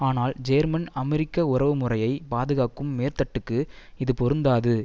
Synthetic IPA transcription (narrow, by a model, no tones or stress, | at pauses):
aːnaːld͡ʒɐjɾmɐnɐmɛɾɪkːɐʊrɐʋɯmʊrɐjɐɪpaːðɯɣaːkːɯmːeːɾt̪ɐʈːɯkːɯɪðɯpɔɾɯnd̪aːðɯ